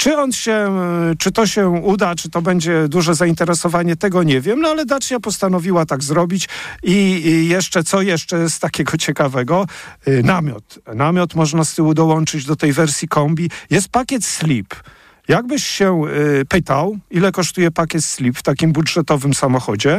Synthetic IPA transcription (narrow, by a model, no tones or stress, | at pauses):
t͡ʂɘɔnɕɛt͡ʂɘt̪ɔɕɛud̪at͡ʂɨt̪ɔbɛɲd͡ʑɛd̪uʐɛzaint̪ɛɾɛsɔvaɲɛt̪ɛɡɔɲɛvʲjɛmnɔalɛd̪at͡ʂɲapɔst̪anɔvʲiwat̪aɡzɾɔbʲit͡ɕijɛʂt͡ʂɛt̪sɔjɛʂt͡ʂɛst̪akʲɛɡɔt͡ɕɛkavɛɡɔnamʲjɔ̰t̪namʲjɔt̪mɔʐnast̪ɘud̪ɔwɔnt͡ʂɘd͡ʑd̪ɔt̪ɛjvɛɾsʲjikɔmbʲijɛst̪̚pakʲjɛt̪slʲip | jaɡ̚bɘɕːɛpɘt̪awilɛkɔʂt̪ujɛpakʲɛt̪slʲipft̪akʲimbudʐɛt̪ɔvɘmsamɔxɔd͡ʑɛ